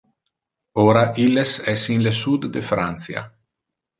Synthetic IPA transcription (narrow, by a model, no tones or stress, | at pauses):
oɾaʔilːesɛsinlesud̪ːefɾant̪sja̰